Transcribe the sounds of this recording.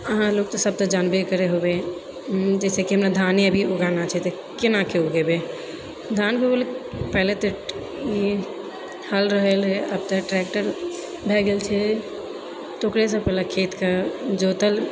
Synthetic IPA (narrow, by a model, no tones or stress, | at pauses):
əɦãloːɡt̪osəb̚t̪əd͡ʒanbekəɾeɦobe | d͡ʒɛːsekiɦəmnad̪ʱaːneəbʱioɡanat͡ʃʰɛt̪e | kɪnakeoɡebe | d̪ʱankeolpɛɦlet̪e | i | həlɾəɦəlɦɛəb̚t̪əʈɾɛkʈəɾ | bʱɛɡelt͡ʃʰɛ | t̪okɾes̬əpɛlakʰeːt̪kad͡ʒot̪əl